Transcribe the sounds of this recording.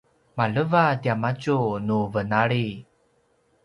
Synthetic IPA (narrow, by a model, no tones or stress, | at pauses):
maləvadiamat͡ʃunuvənaɭi